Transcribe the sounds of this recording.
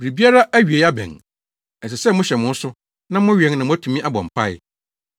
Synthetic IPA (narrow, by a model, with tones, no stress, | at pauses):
bi˨ɾi˨bi˦a˦ɾa˦ʔæ˦ɥi˨e˨ja˦bɛ̰̃˨n | ɛ˨s̬ɛ˨sɛ˦mʊ̃˦ɕɛ˨mʊ̃˦n̩˦sʊ˦ | nã˦mʊ̃˦ɥɛ̃˨ŋ˦nã˨mʊ̃˦æ˦tʰũ˨mĩ˦ʔa˦bɔ̰̃˨m̩˨pʰa˦ɪ̰˦˨